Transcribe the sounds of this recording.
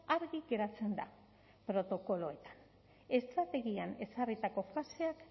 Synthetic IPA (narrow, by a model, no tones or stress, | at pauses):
aɾɣiɣe̞ɾat͡se̞nd̪a | pɾo̞t̪o̞ko̞lo̞e̞t̪ḁn | e̞st̪ɾat̪e̞ɣiane̞sarit̪ako̞fase̞ak